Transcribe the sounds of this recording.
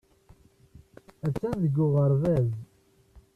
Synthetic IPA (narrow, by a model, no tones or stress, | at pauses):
æt͡sːænðəɡːʊʁəɾˤvæz